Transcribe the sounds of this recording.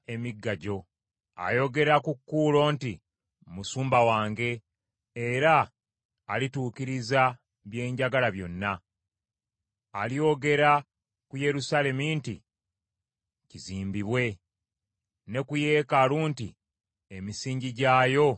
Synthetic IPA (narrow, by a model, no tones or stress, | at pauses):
emiɡːaɟo̞ | a̰jo̞ɡe̞ɾakukːuːlo̞ːnti | musuːmbawaːŋɡe̞ː | ɾaː | lituːkiɾiza | βje̞ːɲɟaɡalaβjo̞nːa | alio̞ɡe̞ɾa | kuje̞ɾusale̞mintḭ | ciziːmbiβwe̞ | ne̞kuje̞ːkaluːnti | emisiːɲɟiɟaːjo̞